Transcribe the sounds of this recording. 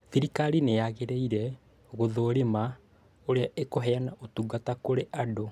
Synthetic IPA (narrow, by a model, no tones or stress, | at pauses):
θiɾikaɾineaɣeɾeiɾɛ | ɣoðoːɾema | oɾeaekoɦɛanaʔotuːɡatakoɾeʔado